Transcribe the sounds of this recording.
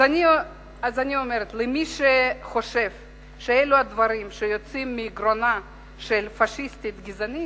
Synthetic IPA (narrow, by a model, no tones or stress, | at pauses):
ani | azaniomeɾet̪lemiʃeχo̞ʃe̞v | ʃeeluad̪vaɾimʃejot͡simːeːɡɾona | ʃelfaʃist̪it̪ɡizani